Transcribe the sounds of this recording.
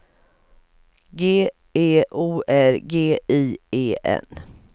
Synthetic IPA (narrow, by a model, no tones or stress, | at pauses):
ɡeː | eːʔuːʔæɾɡeːiːeːʔɛ̰n